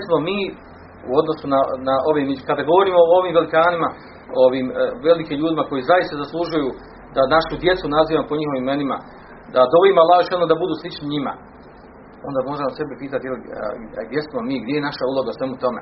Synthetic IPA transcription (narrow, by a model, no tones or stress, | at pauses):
jesmo̞miː | ṵo̞d̪no̞sunanaʔo̞ʋimikad̪aɡo̞ʋo̞ɾiːmoooʋiːmʋelikaːnima | ooʋiːmʋe̞likiːmʎuːd̪imako̞jizajist̪azaslˠuʒujuː | d̪anaʃud̪je̞t̪sunaziːʋamopoɲiho̞ʋimenima | d̪ad̪o̞imalˠaːʒʃonod̪abud̪uːslˠit͡ʃniɲima̰ | o̞nd̪aːmo̞ːɾamose̞bipiːt̪at̪jelḭɡd̪je̞smo̞miːɡd̪jejenaʃaulˠo̞ɡausʋe̞mut̪o̞me̞̰